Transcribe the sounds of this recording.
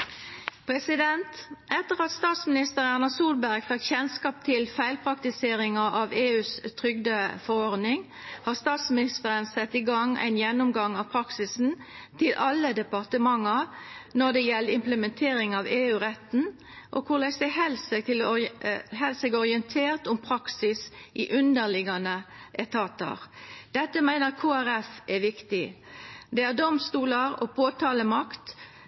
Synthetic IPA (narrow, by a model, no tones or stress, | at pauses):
pʰɾɛsɪd̪ɛnt̪ʔɛt̪ːəʁɑt̪st̪ɑːt̪smɪnɪst̪əʁæʁnɑsuːlbæʁɡfɑkçɛnskɑːp̚t̪ʰɪlfæɪlpʰʁɑk̚t̪ɪseːɾɪŋɑʔɑʋeːʉːst̪ʰɾʏɡd̪əfɔɾɔʁd̪nɪŋ | hɑːʁst̪ɑːt̪smɪnɪst̪əɾənsɛt̪ːɪɡɑŋæ̰ɪnjɛnːʊmɡɑŋɑʋpʰɾɑksɪsn̩t̪ʰɪlʔɑlːəd̪ɛpɑʁt̪əmɑŋːənɔd̪ɛjɛlːəɪmpləmɛnt̪ʰeːɾɪŋɑʋeːʉːʁɛt̪n̩ | ʔɔ̰kʰʊʁlæɪsɛhɛlst̪ɪl | hɛlsɛɡɔʁɪɛnt̪ʰeːʁt̪ʊmpʰɾɑksɪsʔɪʔʉnd̪əʁlɪɡɑnəʔɛt̪ʰɑːt̪ə̰ʁd̪̥ɛt̪ːəmæɪnəʁkʰoːæɾɛfɛʋɪkt̪ɪd̪ɛæʁd̪ɔmst̪uːləɾɔ̰pʰoːt̪ʰɑːləmɑkt̪